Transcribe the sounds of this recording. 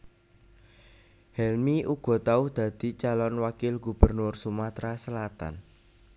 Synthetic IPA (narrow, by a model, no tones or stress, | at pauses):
hɛlmiʔuɡ̥ɔ̤t̪aʊhd̪̥ä̤d̪̥i̤t͡ʃalɔnwakɪlɡṳb̥ərnʊrsumat̪ɾasəlat̪a̰n